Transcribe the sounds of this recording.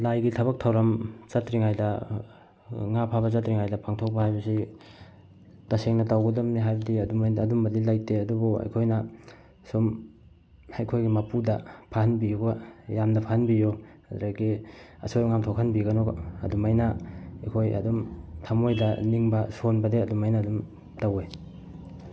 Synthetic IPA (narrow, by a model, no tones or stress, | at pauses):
lajɡitʰɐβɐk̚tʰɐwɾɐmzatɾiŋajdɐ | ŋapʰaβɐzatɾiŋajdɐpaŋtʰok̚pɐhajbɐsi | tɐseŋnɐtawɡɐdɐmniɦajbɐdiɐdumɐdumbɐdilajteɐduboa̰jkʰojnɐ | sum | ajkʰojɡimɐpudɐpʰahanbijuɡajamdɐpʰahanbijo | adɾaɡiɐ̰sʰojŋamtʰokʰanbiɡɐnoɐ̰dumajnɐajkʰojɐ̰dumtʰamojdɐniŋbɐsonbɐdeɐdumajnɐːdum | tawe